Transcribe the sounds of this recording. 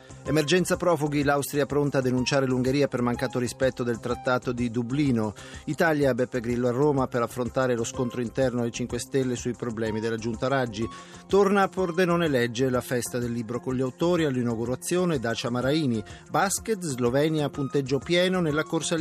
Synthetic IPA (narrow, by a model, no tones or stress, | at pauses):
emerd͡ʒɛnt̪sapɾɔːfuɡilawst̪ɾiapɾont̪ad̪ːenunt͡ʃaːɾeluŋɡeɾiːapermaŋkaːt̪oɾispɛt̪ːod̪elt̪ɾat̪ːaːt̪od̪id̪ubliːno | it̪aːljabɛpːeɡɾilːɔarːoːmapeɾafːɾont̪aːɾeloskont̪ɾoint̪ɛrnoalet͡ʃiŋkwest̪elːesuipɾoblɛːmid̪elːad͡ʒunt̪aɾad͡ʒːi | t̪ornaːpord̪enonelɛd͡ʒːelafɛst̪ad̪elːiːbɾokonʎiawt̪oːɾialːinawɡuɾat̪sːjoːned̪aːt͡ʃamaɾaiːni | basket̪zlovɛːnjapunt̪ed͡ʒːopjɛːnonelːakorsa